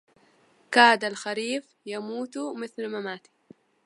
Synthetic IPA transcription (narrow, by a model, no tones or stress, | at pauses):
kaːd̪alxaɾiːf | jamuːt̪mɪθlmamaːt̪i̥